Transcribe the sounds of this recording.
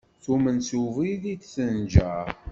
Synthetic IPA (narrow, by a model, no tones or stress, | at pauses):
θumənsuviðit̪θənd͡ʒæ